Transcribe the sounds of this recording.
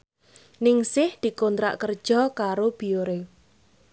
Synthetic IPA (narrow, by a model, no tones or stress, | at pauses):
nɪŋsɪhd̪̥i̤kont̪ɾa̰ʔkərd̥ʒ̥ɔ̤kaɾob̥i̤oɾe